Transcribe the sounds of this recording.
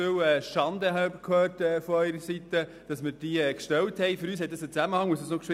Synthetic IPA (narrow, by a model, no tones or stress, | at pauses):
øwɛːʃɑndəhɑbəkʰøːɾtɛːfɔœʏɾəsitə | d̥ɑsmɪɾd̥iːɛkʃtɛwthɛɪføɾyːshɛt̚d̥ɑsət͡sæməhɑŋmuəsdəsnokʃʋɪ